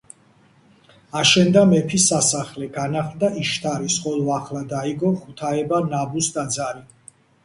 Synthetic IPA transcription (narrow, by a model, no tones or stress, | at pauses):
aʃɛnd̪amɛpʰisasaχlɛɡanaχld̪aiʃt̪ʰaɾisqʼɔlˠɔaχlad̪aiɡɔχut̪ʰaɛbanabusd̪ad̪zaɾi